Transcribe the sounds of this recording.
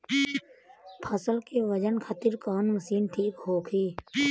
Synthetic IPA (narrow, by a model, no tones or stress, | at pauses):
pʰəsəlkeʋəd͡ʒənkʰət̪ɪɾkaːnməsiːnʈʰiːkɦoːkʰiː